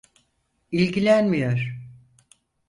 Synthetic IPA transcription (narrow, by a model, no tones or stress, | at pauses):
ilʲɟilʲænmijoɾ̥